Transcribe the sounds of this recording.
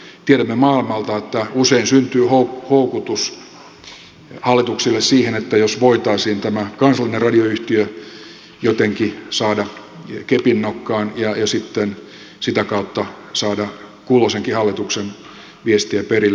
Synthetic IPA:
t̪ieɾæmːemɑːilmɑlt̪ɑet̪ːæuseinsynt̪yːhouhoukut̪us | hɑlːˑit̪uksilːessiːhenet̪ːæjosʋoit̪ɑisiːnt̪æmækɑnsɑlːˑinerɑdioyht̪iø | jot̪eŋkisɑːdɑ | kepinːokːɑːnjɑjɑsit̪ːen | sit̪ækɑut̪ːɑ | sɑːdɑ | kuːloseŋkihɑlːit̪uksen | ʋiest̪iæperilː

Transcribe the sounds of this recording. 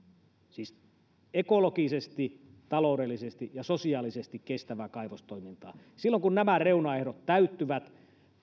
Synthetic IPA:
siːs | ekolokisest̪it̪ɑloudelːisest̪ijɑsosiɑːlisest̪ikkest̪æʋækɑiʋost̪oimint̪ɑ̰ː | silːoŋkunnæmæreunɑehɾot̪tæyt̪ːyʋæt̪

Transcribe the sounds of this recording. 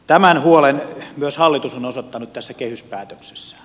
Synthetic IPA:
t̪æmænhuolenmyøshɑlːit̪usonosot̪ːɑnut̪t̪æsːækehyspæːt̪økse̥sːæ̥

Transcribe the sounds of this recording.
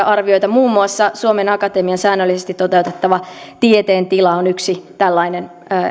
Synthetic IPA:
ʔɑrʋio̞jt̪ɑmuːmːuɑsːɑsuomenɑkɑt̪emiɑnsæːnːølːisest̪it̪tot̪e̞wt̪et̪ːɑʋɑt̪iet̪eːnt̪ilɑonyksit̪ælːɑinenː

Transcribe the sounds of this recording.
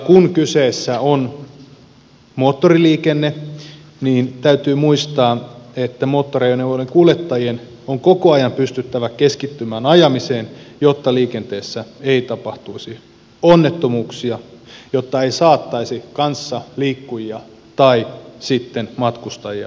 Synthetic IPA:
kunkyseːsːæon | mot̪ːoriliːkenːe | niːnt̪æyt̪yːmuist̪ɑːet̪ːæmoːt̪ːorejoneoleŋkulet̪ːɑjien | oŋkokoɑjɑmpyst̪yt̪ːæʋækeskit̪ːymæːnɑjɑmiseːnjot̪ːɑliːkent̪eːsːæeit̪ɑpɑht̪uisi | onːet̪ːomuːksiɑjot̪ːɑeisɑːt̪ːɑisikɑnsːɑliːkːujiɑ | t̪ɑisit̪ːenmɑt̪kust̪ɑjiɑ̰

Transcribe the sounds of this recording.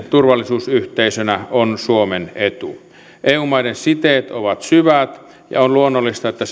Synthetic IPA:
t̪urʋɑlːisuːsyht̪eisønæonsuomenet̪u | ʔeːuːmɑidensit̪eːt̪oʋɑt̪syʋæt̪ | jɑ̰onluonːolːist̪ɑet̪ːæs

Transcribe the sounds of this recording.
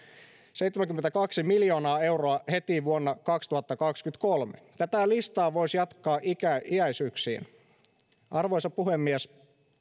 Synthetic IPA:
se̞jt̪ːemæŋkymːet̪ækɑksimiljo̞ːnɑːe̞wroɑhe̞t̪iʋuonːɑkɑkst̪uhɑt̪ːɑkɑkskyt̪kolmet̪æt̪ælist̪ɑːʋo̞jsjɑt̪kɑːʔikæʔiæjsyːksḭːn | ʔɑrʋo̞jsɑpuhe̞mːies

